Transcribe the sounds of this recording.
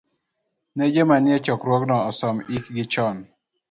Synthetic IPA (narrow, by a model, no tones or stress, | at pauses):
ned͡ʒemanɪjɛt͡ʃɔkɾwɔknɔːsɔmikɡɪt͡ʃɔn